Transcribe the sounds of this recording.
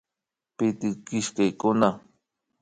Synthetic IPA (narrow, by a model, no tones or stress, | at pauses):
pɪt̪ɪkɪʃkejkʊna